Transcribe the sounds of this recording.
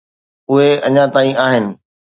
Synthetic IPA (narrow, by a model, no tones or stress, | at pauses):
ʊɦeɐɲãt̪aːĩaːɦɪnɪ̆